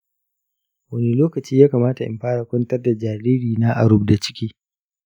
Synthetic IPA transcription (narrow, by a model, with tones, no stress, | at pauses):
wɐ˦ne˦loː˦kɐ˨t͡ʃiː˦jaː˦kaː˨maː˦ta˨ʔɪ̰˨mɸaː˦ɽa˨kʷɔ˦ntɐ˦rda˨d͡ʒaː˨ɾiː˦ɾiː˨naː˦ʔa̰˨ɽʊ˦b̚da˨t͡ʃɪ̥˦kʲiː˦